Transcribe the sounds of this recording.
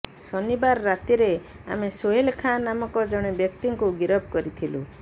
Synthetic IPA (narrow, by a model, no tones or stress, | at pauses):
sɔnibaɾːat̪iɾe | a̰mesoɦilkʰanamɔkɔd͡ʒɔɽ̃ebjɔkt̪iŋkuɡiɾɔb̚ʱkɔɾit̪ʰilṵ